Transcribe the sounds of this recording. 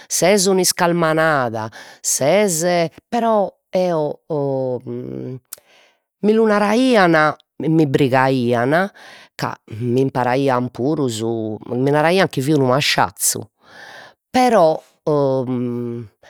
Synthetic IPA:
sɛzɔniskalmanaːðasɛzɛpɛɾɔ | ɛːɔ | milunaɾaiːana | mibɾiɣaiːanaka̰mimpaɾaiːampʰuːɾuzuminaɾaiːaŋkiviunumaʃːa̰t̪sːṵ | pɛɾɔ

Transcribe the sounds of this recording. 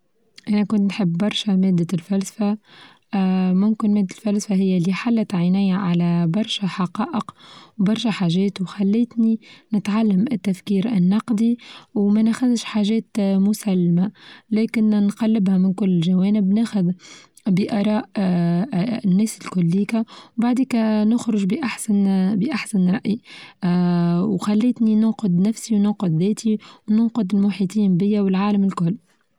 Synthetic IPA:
ʔænækʊnt̪nħɪbːɑɾˤʃæmɛːd̪ːælfælsfa | mʊmkɪnmɛːd̪ːɪlfælsfahɪjːælːiːħalːæt̪ʕɪnæːjaʕalæbɑɾˤʃæħɑqɑːʔəqwbɑɾˤʃæħaːʒɛːt̪uxalːɪːt̪ninɪt̪ʕalːamɪt̪ːæfkiːɾɪ̰nːɑqd̪iwmænæxæðʃħaːʒɛːt̪mʊsælːmalɛːkɪnnqɑlːɪbhæmɪnkʊlːɪʒawɛːnɪbnæːxʊð | bəʔɑːɾˤɑːʔ | nːɛːsɪlkʊlːiːkawbaʕd̪iːkænʊxɾʊʒbʔaħsanbəʔaħsanɾˤɑʔi | wxalːɪːt̪ninʊnqʊd̪næfsiwnʊqʊd̪ðɛːt̪ʰiwnʊnqʊd̪ɪlmʊħiːt̪ˤiːnbɪjːawɪlʕaːləmɪlkʊlː

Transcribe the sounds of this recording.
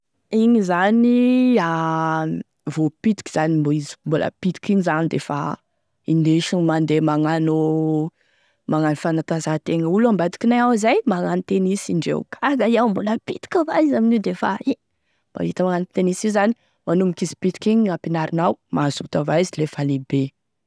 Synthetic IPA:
iɲizania | vopit̪i̥kʲi̥z̥animboizi̥mbulə̰pit̪i̥kiɲizanid̪efa̰ | ineʃimand̪emaŋanu | maŋanufanat̪azat̪eŋəuluambad̪i̥kinajawizajmaŋanit̪enisiɳɖ͡ʐḛw̰kʰaɡaiawmbuləpit̪i̥kʲavaizaminid̪efai | ma̰it̪amaŋanit̪enisizani̥ | manumikizi̥pit̪i̥kiɲapinaɾinawmazut̪avaizilefalibe

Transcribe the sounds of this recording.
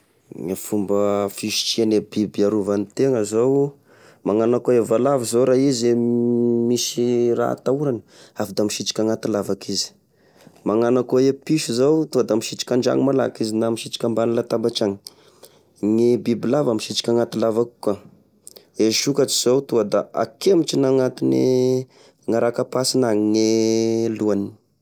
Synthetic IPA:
ŋafumbəfiʃi̥t͡ʃianebibaɾuvanit̪eŋəzow | maŋanakoevalavizowɾaɦize | misira̰a̰t̪auɾanə̥afid̪amiʃit͡ʃi̥kʲaŋat̪ilavakʰizi̥ | maŋanakoepiʃizowt̪uad̪amiʃit͡ʃi̥kʲaɳɖ͡ʐa̰ŋimala̰kizinamiʃit͡ʃi̥kʲambalulat̪abat͡ʃaŋi̥ | ŋebibilavamiʃit͡ʃi̥kʲaŋat̪ilavaku̥ka | eʃukat͡ʃiz̥owt̪uad̪aa̰kemit͡ʃinaŋat̪inḛ | ŋaɾakapasinaŋiŋeluani

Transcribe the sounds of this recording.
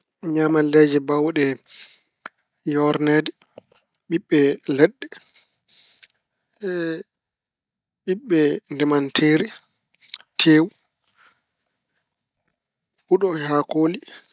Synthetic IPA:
ɲamaled͡ʒɛbawɗɛ | jɔɾnedɛ | ɓiɓːɛlɛɗːɛ | ɓiɓːɛndɛmantʰeːɾi | tʰeːwu | huɗɔhakoːli

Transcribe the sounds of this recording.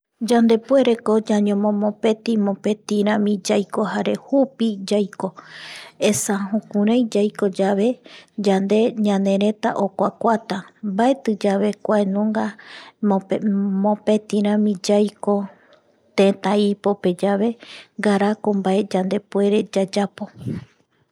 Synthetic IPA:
d͡ʒand̪e̞pwe̞ɾe̞ko̞d͡ʒaɲõmõmõpe̞t̪imõpet̪ĩɾ̃ãmĩd͡ʒajko̞ɦaɾe̞hupid͡ʒajko̞ | esahũkũɾãjd͡ʒajko̞d͡ʒaβe̞d͡ʒand̪e̞ɲãnẽ̞ɾẽ̞t̪a̰ʔokʷakʷat̪ambae̞t̪ɨd͡ʒaβe̞kʷaenũŋɡa | mõpe̞t̪ĩɾ̃ãmĩd͡ʒajko̞ | t̪ẽt̪ãipo̞pe̞d͡ʒaβe̞ŋɡaɾakombae̞d͡ʒand̪e̞pue̞ɾe̞d͡ʒad͡ʒapo̞

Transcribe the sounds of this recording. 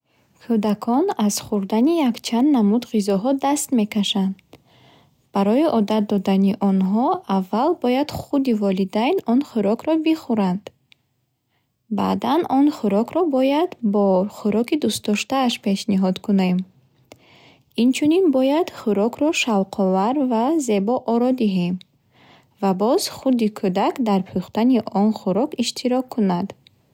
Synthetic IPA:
kʰud̪akʰɔnaz̥χuɾd̪anijakt͡ʃʰand̪namud̪ʁizɔɦɔd̪ast̪me̞kaʃand̪ | b̥aɾɔiʔɔd̪at̪̚d̪ɔd̪aniʔɔnɦɔavːalbɔjad̪̥χud̪ivɔlid̪ajnɔnχuɾɔkɾɔbiχuɾand̪̥ | ba̰d̪anɔnχuɾɔkɾɔbɔjad̪bɔχuɾɔkid̪ust̪d̪ɔʃt̪aːʃpʰe̞ʃniɦɔd̪kʰunem | int͡ʃʰuninbɔjad̪̥χuɾɔkʰɾɔʃavqʰɔvaɾvaze̞bɔʔɔɾɔd̪iɦem | vabɔz̥χud̪ikʰud̪akd̪aɾpʰuχt̪aniʔɔnχuɾɔkiʃt̪ʰiɾɔkʰːunad̪̥

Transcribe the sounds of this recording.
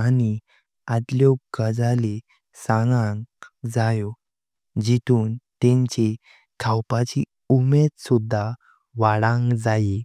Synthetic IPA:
ani | ad̪ljokəd͡zale | sãŋɡãŋɡd͡zajɔ | d͡ʑit̪ʰuːnt̪ẽɲt͡ɕe | kʰawpat͡ɕi | umed̪sud̪ʱːa | ʋaɽãŋɡd͡zaji

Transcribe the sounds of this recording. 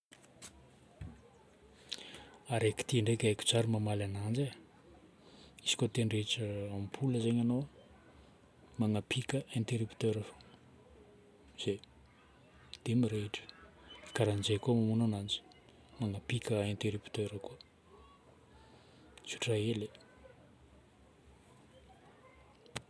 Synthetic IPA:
aɾeki̥t̪iɳɖ͡ʐekʲekʲu̥t͡ʃaɾumamalanand͡ʒe | isi̥kʲot̪enɳɖ͡ʐet͡ʃəamipʰuləzeɲano | maŋapʰikəʔẽnt̪eɾupi̥t̪øɾafo̥ | z̥e | d̪̥emiɾeʈ͡ʂə̥ | i̥kaɾand͡ʒekomamunanand͡ʒi̥ | maŋapikəẽnt̪eɾupt̪øɾəkuə | su̥ʈ͡ʂaele

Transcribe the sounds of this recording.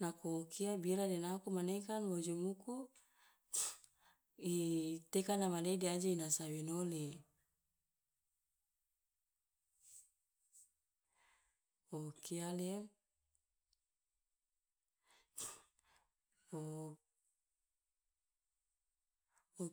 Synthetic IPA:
nakookiabiɾadɛnakumanekanwod͡ʒumuku | it̪ekanamadeaidiad͡ʒainasawenole | okialem | o | o

